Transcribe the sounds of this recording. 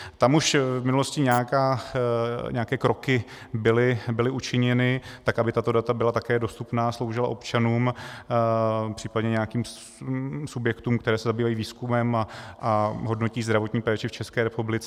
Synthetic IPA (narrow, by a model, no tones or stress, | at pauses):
t̪amuʃvmɪnuloscɪɲaakaː | ɲɛakɛːkɾokɪ | bɪlɪbɪlɪʔut͡ʃɪɲɛnɪt̪akabɪt̪at̪o̞dat̪abɪlat̪akɛːdo̞st̪upnaːslo̞wʒɪla̰ʔo̞pt͡ʃanuːm | pr̝̥iːpadɲɛɲɛakiːm | subjɛkt̪uːmkt̪ɛɾɛːsɛzabiːvajiːviːskumɛmaʔaɦo̞dnociːzd̪ɾavo̞t̪ɲiːpɛːt͡ʃɪft͡ʃɛskɛːɾɛpublɪt͡sɛ